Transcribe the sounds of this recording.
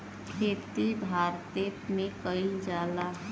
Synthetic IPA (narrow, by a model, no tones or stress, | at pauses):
kʰeːt̪ibʱaːɾt̪eːt̪mẽkəĩd͡ʒaːlaɦ